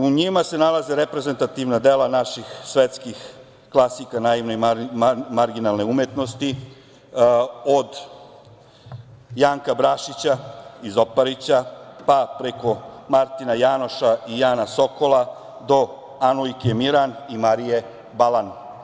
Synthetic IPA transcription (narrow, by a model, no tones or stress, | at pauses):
uɲimase̞nalazeɾepɾeze̞nt̪at̪iʋnad̪e̞lanaʃixsʋet̪skix | klˠasikanaːiʋnoi | maɾɡinalˠne̞umjet̪nost̪i | od̪ | jaːŋkabɾaʃit͡ɕaizopaɾit͡ɕapapɾe̞ko̞maɾt̪inajaːno̞ʃaijaːnaso̞ko̞la | d̪o̞ | anuikemiɾanimaɾije̞ | balan